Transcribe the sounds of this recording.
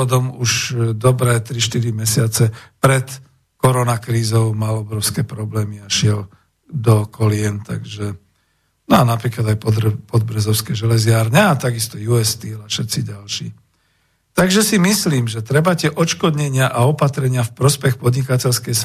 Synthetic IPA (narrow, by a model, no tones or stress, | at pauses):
ɔd̪ɔmuʃd̪ɔbɾɛːt̪ɾiʃt̪iɾimɛsɪat͡sɛpɾɛt̪ | kɔɾɔnakɾiːzɔʊmalɔbɾɔʊskɛpɾɔblɛːmiaʃɪɛl | d̪ɔkɔlɪɛnt̪aɡʒɛ | nɔanapɾiːklad̪ajpɔpɔd̪̚bɾɛzɔʊskɛʒɛlɛzɪaːɾɲɛat̪aɡist̪ɔjuɛst̪ilaʃɛt̪siɟalʃḭː | t̪aɡʒɛsimisliːmʒɛt̪ɾɛbatɛʔɔt͡ʃkɔd̪ɲɛɲɪaʔaɔpat̪ɾɛɲɪafpɾɔspɛxpɔd̪ɲikacɛlskɛjs